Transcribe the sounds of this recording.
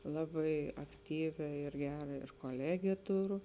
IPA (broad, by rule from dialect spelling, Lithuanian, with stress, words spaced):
ˈlˠɑːbɐɪ ɐkˈtʲiːʋʲɛ ɪr ˈɡʲæːrɐ ɪr koːˈlʲæːɡʲeː ˈtʊrʊ